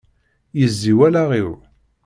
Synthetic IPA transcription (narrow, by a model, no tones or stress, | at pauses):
jəzːiwælaʁiɾ